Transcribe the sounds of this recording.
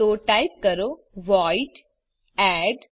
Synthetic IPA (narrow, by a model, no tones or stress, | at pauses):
oːʈaɪp̚kəɾo | ʋɔːɪʈ | ɛːɖ